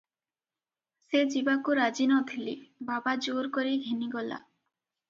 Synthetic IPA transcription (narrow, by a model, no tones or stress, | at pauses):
sed͡ʒibakuɾad͡ʒinɔt̪ʰilḭbabad͡ʒoɾkoɾiɡʱeniɡɔla̰